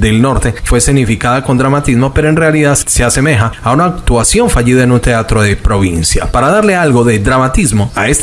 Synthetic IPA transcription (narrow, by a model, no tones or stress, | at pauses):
d̪e̞lno̞ɾt̪e̞fwe̞siɣnifikaðako̞nd̪ɾamat̪izmo̞pe̞ɾoe̞nre̞aliðaðse̞ase̞me̞xaːunaːkt̪wasjo̞ɱfaʝiðaenunt̪e̞at̪ɾo̞ðepɾo̞β̞insja̰paɾaðaɾlealɣo̞ðe̞d̪ɾamat̪izmo̞aes